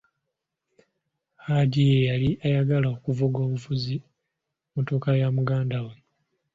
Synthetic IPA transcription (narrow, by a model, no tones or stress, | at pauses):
haɟijejaliʔajaɡalaokuvuɡo̞ːβufuzi | motokajamuɡaːndawa